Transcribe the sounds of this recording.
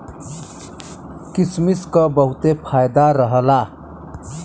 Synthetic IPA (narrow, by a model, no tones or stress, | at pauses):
kismiskəbəɦut̪epʰaːjd̪aɾəɦəla